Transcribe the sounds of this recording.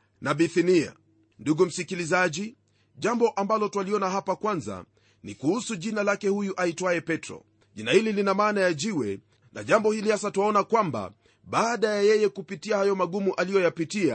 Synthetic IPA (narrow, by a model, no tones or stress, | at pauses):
naɓiθinia̰ | nduɡum̩sikilizaʄi | ʄambɔʔambalɔtwaliɔnaɦapakwanza̰ | nḭkuhusuʄinalakɛhujuʔaitwaɛpɛtɾɔ̰ | ʄinahililinamaːnajaʄiwɛ | na̰ʄambɔhilihasatuwaɔnakwamba̰ | ɓaːɗajajɛjɛkupitiahajɔmaɠumuʔalijɔjapitia̰